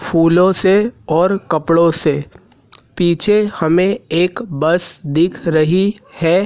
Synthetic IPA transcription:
pʰuːlõseɔːɾkɐpɽõse | piːt͡ʃʰehɐmẽeːkbɐsd̪ɪkʰɾɐɦihɛː

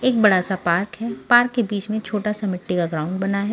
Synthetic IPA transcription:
eːk̚bɐɽasapaːɾkɦɛːpaːɾkːebiːt͡ʃmẽt͡ʃʰoːʈasamɪʈːikaɡɾãːʊ̃ɳɖ̚bɐnaɦɛː

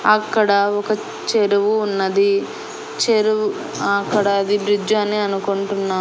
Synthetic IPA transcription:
ɐkːɐɽɐɔkɐ | t͡ʃeɾuʋuːnːɐd̪i | t͡ʃeɾuu | ɐkːɐɽɐːd̪ibɾid͡ʒaːnːiɐnukoɳʈunːaː

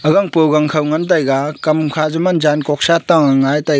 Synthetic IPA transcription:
ɐɡaŋpowɡaŋkʰawŋant̬ajɡakɐmkʰazumand͡ʒankɔk̚sataŋaŋajta

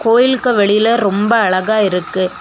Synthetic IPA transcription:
koːjɪlkɯʋɛɭɪjɪlɐɾɔmbɐɐɭɐɣaːɪɾɯkːɯ

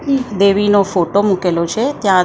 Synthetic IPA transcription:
d̪eʋinofoʈomukelot͡ʃʰet̪jã

